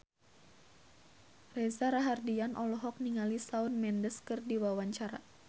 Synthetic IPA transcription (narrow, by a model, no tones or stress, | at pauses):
rezaɾaɦardianʔɔlɔɦɔk̚niŋalisaunmɛndəskɨrdiwawaɲt͡ʃaɾa̰